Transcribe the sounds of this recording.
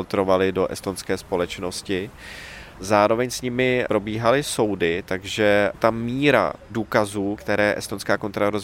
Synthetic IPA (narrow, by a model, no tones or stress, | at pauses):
lt̪ɾovalɪdo̞ʔɛ̰st̪onskɛːspo̞lɛt͡ʃno̞scɪ | zaːɾo̞vɛɲsɲɪmɪpɾo̞biːɦalɪso̞wdɪt̪aɡʒɛt̪amiːɾa̰duːkazuːkt̪ɛɾɛːʔɛ̰st̪onskaːko̞nt̪ɾaɾoz